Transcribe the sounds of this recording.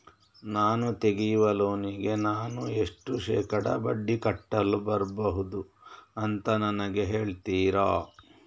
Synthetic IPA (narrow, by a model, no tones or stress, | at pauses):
naːnut̪eɡijuʋɐloːniɡe̞naːnueʂʈuʂɛːkɐɽɐ̰bɐɖːikɐʈːɐlubɐɾbɐɦud̪uɐnt̪ɐnɐnɐɡe̞ɦe̞ːɭt̪iːɾaː